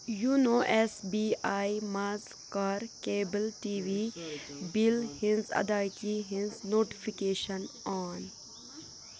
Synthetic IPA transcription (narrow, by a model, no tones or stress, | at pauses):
juːnoːʔɛsbiajmaz | kaːɾkeːbəlʈiːʋibilhĩnzɐ̰d̪aːjt̪iɦɪ̃nznoːʈi̥fikeːʃənɔːn